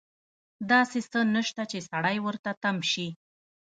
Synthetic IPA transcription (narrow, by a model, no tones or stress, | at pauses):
d̪ɑsesənəʃt̪at͡ʃesaɽajwəɾt̪at̪amʃi